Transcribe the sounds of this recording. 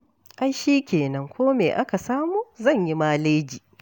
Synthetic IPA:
ʔa˦jʃiː˦kʲeː˨nɐ˦ŋkʷoː˦meː˨ʔa˦ka˨saː˦muː˨zɐ˦˨ɲji˦maː˦leː˦d͡ʒiː˨

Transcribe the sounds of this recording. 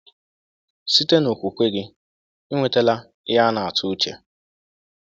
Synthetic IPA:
si˦te˦no˨kʷu˨kʷe˦ɡɪ˦ | i˦ŋʷe˨te˦la˦ | ja˦na˨a˨tʰʊ˦t͡ʃḛ˨

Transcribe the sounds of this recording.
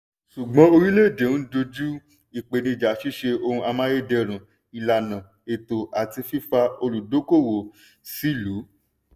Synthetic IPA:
ʃu˨ɡ͡bɔ̃˨˦o˧ɾi˦le˦˨de˨˦ũ˦do˧d͡ʒu˦ | i˨k͡pe˨nĩ˧˨d͡ʒa˨˦ʃi˦ʃe˧o˧hũ˧a˧mã˦je˦dɛ˧ɾ̃ũ˨ | i˨la˨nã˨ | e˨to˨ʔa˨ti˧fi˦fa˧o˧lu˨do˨˦ko˦˨wo˨ | si˦˨lu˨˦

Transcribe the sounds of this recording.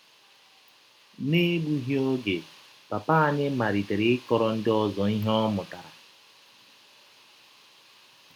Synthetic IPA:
ne˦ɡ͡bu˦ɦjo˦ɡe˨ | pa˨pa˦a˨ɲɪ˦ma˨ɾi˨te˨ɾe˦kɔ˨ɾɔ˦n̩˦dɪ˦ɔ˦zɔ˨i˦ɦɔ˦mʊ˨ta˨ɾa˨

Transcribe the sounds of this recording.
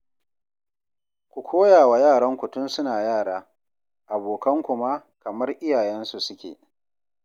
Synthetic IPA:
kʷu˨kʰʷoː˦jaː˨wa˨jaː˦˨ɽɐ˦ŋkʷʊ˨tʊ˦nsʊ˦naː˨jaː˦˨ɽaː˦ | ʔa˨boː˨kɐ˦ŋkʷʊ˨ma˦kɐ˨mɐ˦rʔɪ˦jaː˨jɛ˦nsu˨sʊ˦kʲḛː˨

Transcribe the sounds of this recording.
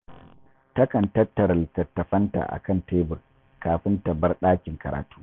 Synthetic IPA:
tɐ˦kɐ˨ntɐ˦tːɐ˨ɾltɐ˨tːɐ˨ɸɐ˦nta̰˨ʔa̰˨kɐ˦˨nteː˦bʊ˨r | kaː˨ɸɪ˦ntɐ˨bɐ˦rɗaː˦kʲɪ˨ŋkɐ˨ɾa̰ː˨tu̥ː˦

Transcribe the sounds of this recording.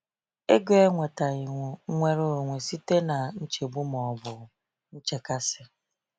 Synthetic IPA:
e˦ɡe˦e˦ŋʷe˨ta˨ɪ˨ŋʷʊ˨˦ŋʷe˦ɾo˦˨ŋʷe˨si˦te˦na˨n̩˦t͡ʃe˨bu˦mɔ˨bʊ˨ | n̩˦t͡ʃe˨ka˦sɪ˦

